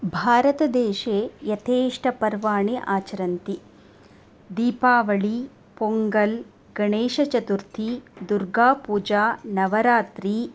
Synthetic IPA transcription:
bʱaːɾɐt̪ɐd̪eːʃeːjɐt̪ʰeːʂʈʰɐpɐɾʋaːɳeʔaːt͡ʃɐɾɐnt̪i | d̪iːpaːʋɐɭi | poŋɡɐl | ɡɐɳeːʃɐt͡ʃɐt̪uɾt̪ʰid̪uɾɡaːpuːd͡ʒaːnɐʋɐɾaːt̪ɾi

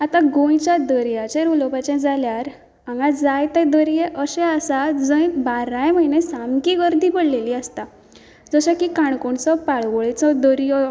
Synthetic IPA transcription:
at̪aɡõjt͡ɕad̪əɾjat͡ɕeɾulɔpat͡ɕɛ̃d͡zaljaɾ | ãŋɡad͡zajt̪ɛ̃d̪əɾjeʔəɕɛ̃əsad͡zəjbaɾãjməinẽsamkiɡəɾd̪ʱiːbəɽleliːəst̪a | d͡zəɕãkikãɳkoɳt͡sɔpaɭʋɔɭit͡sɔd̪əɾijɔ

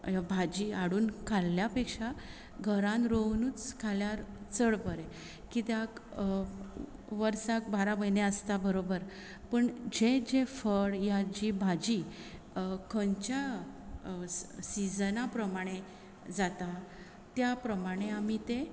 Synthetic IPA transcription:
bʱad͡ʑiaɽuːnkʰalːjapekʂa | ɡʱəɾãnɾoʋnuːt͡skʰaljaɾt͡səɭbəɾe | kit̪jak | ʋəɾsak̚baɾaməjneəst̪abəɾobəɾ | pəɳd͡ʑed͡ʑefəɽjad͡ʑibʱad͡ʑi | kəɲt͡ɕja | sid͡znapɾəmaɽ̃e | d͡zat̪a | t̪japɾəmaɽ̃eamit̪e

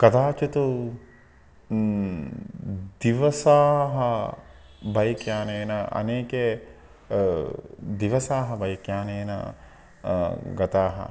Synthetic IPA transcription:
kɐt̪aːt͡ʃut̪u | d̪iʋɐsaːɦɐ | bɐjkjaːnenɐʔɐ̰neːke | d̪iʋɐsaːɦɐbɐjikjaːnenɐ̰ | ɡɐt̪aːɦɐ̰

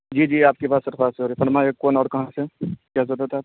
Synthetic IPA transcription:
d͡ʒiːd͡ʒiːaːp̚kepaːsəɾfaːseɦoːɾefɐɾmaːjekɔːnɔːɽkɐɦãsekjaːs̬oɾat̪ʰaːp

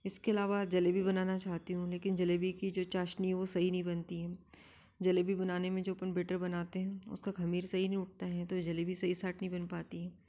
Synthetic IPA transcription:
ɪskeɐlaːʋad͡ʒɐlebʱibɐnaːnat͡ʃaːɦt̪iɦũleːkɪnd͡ʒɐlebikid͡ʒoːt͡ʃaːʃniɦɛʋosɐɦinɐɦĩbɐnt̪iɦɛː | d͡ʒɐlebʱibɐnaːnemẽd͡ʒoːpənbeːʈəɾbɐnaːt̪eɦɛ̃ʊ̰skakʰɐmiːɾsɐɦinɐɦĩʊʈ̚t̪aɦɛt̪od͡ʒɐlebʱisɐɦisaːʈ̚nɐɦĩbɐnpaːt̪iɦɛː

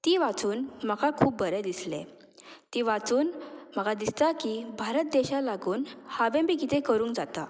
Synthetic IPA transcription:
t̪iːʋat͡suːnməkakʰuːpbəɾɛd̪islḛ | t̪iʋat͡suːnməkad̪ist̪akibʱaɾət̪̚d̪eɕalaɡuːnhaʋẽmbikit̪ʰẽkəɾũŋkd͡zat̪a

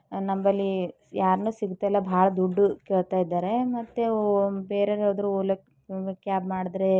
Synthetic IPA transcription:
nɐmbɐlːi | jaːɾnuːsiɡut̪ːeɛlːɐbʱaːɭɐd̪uɖːukeːɭt̪aːjid̪ːaːɾe̞mɐt̪ːebeːɾeɾoːd̪ɾuolɐ | kjaːbmaːɽid̪ɾe

